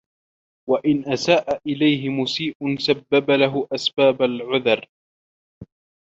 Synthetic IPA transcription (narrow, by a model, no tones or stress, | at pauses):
waʔɪnʔasaːʔaʔɪlajɦɪmʊsiːʔʊnsabːabalaɦʊʔasbaːbalʕʊðɑɾˤ